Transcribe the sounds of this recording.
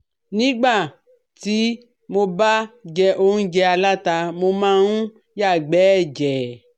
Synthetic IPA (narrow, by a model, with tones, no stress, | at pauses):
nĩ˦ɡ͡ba˦˨ | t̪i˦ | mõ˧ba˦d͡ʒɛ˧ʔo˦ŋũ˦d͡ʒɛ˧a˨la˦t̪a˧mo˧mã˦ŋũ˦ | ja˦˨ɡ͡bɛ˨˦d͡ʒɛ˨